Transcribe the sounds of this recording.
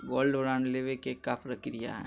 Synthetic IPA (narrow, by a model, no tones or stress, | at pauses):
ɡɔːlɖoːɾaːnleʋekekːapɾəkɾija̰ɦɛ̰ː